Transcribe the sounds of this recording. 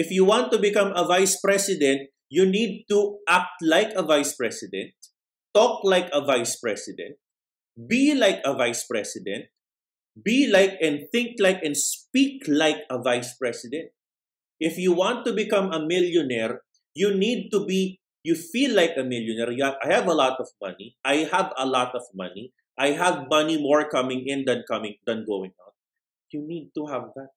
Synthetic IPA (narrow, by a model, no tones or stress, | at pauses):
ʔɪfjuwãnt̪ːubɪkʌ̃mɐvajspɹɛsɪd̪ɛ̃nt̪̚ | junid̪̚t̪uʔak̚t̪laɪjkɐvajspɹɛsɪd̪ɛ̰̃nt̪̚ː | ɔk̚lajkɐvajspɹɛsɪd̪ɛ̰̃nt̪̚ | bilajkɐvajspɹɛsɪd̪ɛ̃nt̪̚ | bilajkɛ̃nd̪̚θɪ̃ŋk̚lajkɛ̃nspiklaɪkɐvajspɹɛsɪd̪ɛ̃nt̪̚ | ʔɪfjuwɑ̃nt̪ːubɪkʌ̃mɐmɪljɔnɛɹ | junid̪̚t̪ubi | jufilːajkɐmɪljɔnɛɹjuaajhavɐlɔt̪ɔvmʌ̰niʔajhəvəlɔt̪ɔvmʌ̰ni | ʔajɦəvmʌnimɔɹkʌmɪ̃ŋɪ̃nd̪ɐ̃nkʌmɪ̃ŋd̪ɐ̃nɡowɪ̃ŋa̰ʊn̚ | junid̪̚t̪uɦavðat̪̚